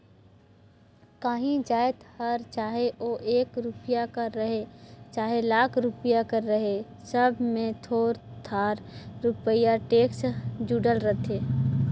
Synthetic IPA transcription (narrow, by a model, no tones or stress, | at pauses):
kaːɦĩd͡ʒaːjt̪həɾt͡ʃaːɦeʔoːʔeːkɾupijakəɾːəɦet͡ʃaːɦelaːkʰɾupijakəɾːəɦe | səbʱmẽt̪ʰoːɾt̪ʰaːɾɾʊpəjaʈeːksd͡ʒuɖəlɾət̪ʰeː